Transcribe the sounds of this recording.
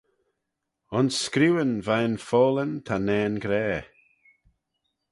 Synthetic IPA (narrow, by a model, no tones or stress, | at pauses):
ʊnsːkɾuwənvajnfɔːlənt̪ʰanɛːnɡɾɛː